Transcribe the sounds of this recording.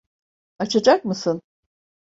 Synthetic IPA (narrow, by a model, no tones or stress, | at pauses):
at͡ʃʰad͡ʒak̚mɯsɯn